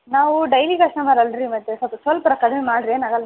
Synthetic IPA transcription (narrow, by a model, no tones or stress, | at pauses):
naːʋuɖɐjlikɐsʈɐmɐːɾɐlɾimɐt̪ːesɐpɐsɐlpɐɾɐkɐɽɐmemaːɽɾeːnɐɡɐl